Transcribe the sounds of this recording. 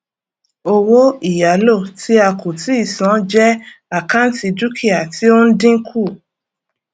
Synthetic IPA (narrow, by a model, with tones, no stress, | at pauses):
o˧wo˦i˦˨ja˨˦lo˦˨ti˦a˧kʰo˨ti˨˦i˦˨sã˨˦d͡ʒɛ˦a˨kã˦n̩˦ti˧du˦kʰi˦˨a˨ti˨˦o˦n̩˦dĩ˦kʰu˦˨